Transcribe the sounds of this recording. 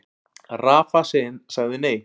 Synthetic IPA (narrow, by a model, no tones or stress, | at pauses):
raːfasɪnsaɣðʏneːj